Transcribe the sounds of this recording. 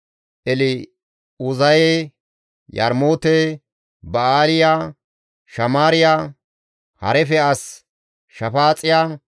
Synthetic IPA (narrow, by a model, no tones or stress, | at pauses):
ʔɛlɪ | ʊzɐje | jɐ̰ɾmoːt̪e | bɐaːlɪjaː | ʃɐmaːɾɪjaː | hɐ̰ɾɛfɛɐs | ʃɐfaːt͡sʼɪjaː